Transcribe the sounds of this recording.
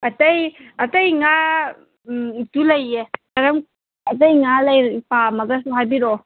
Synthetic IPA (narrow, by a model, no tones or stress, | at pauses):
ɐtɐjɐtɐjŋa | itulɐjːekɐɾɐm | ɐt̬ɐjŋalɐjɾpamɐɡɐsuɦajbiɾɔ